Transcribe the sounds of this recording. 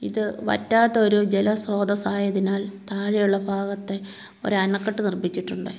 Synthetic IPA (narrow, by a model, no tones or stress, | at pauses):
iðɨʋɐ̰tːaːt̪ːɐo̞ɾud͡ʑelɐsro̞ːd̪ɐsaːjɐðinaːlt̪aːɻijuɭːɐbʱaːɣɐt̪ːe̞ | o̞̰ɾuɐnɐkːɐʈːɨnirbit͡ɕːiʈːuɳɖɨ